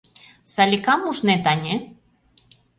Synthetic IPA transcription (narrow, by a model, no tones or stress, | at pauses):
salʲikamuʒnet̪anʲe